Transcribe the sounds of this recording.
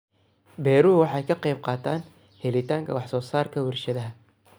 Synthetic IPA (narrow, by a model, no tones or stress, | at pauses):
bɛːɾʊːwɑħɑːjkʰɐqɛjb̚qɑːt̪ʰaːn | hɛlɪt̪ʰaːŋkʰɐ̰wɑħsɔːsaːrkʰɐwɪrʃɐðɐɦɐ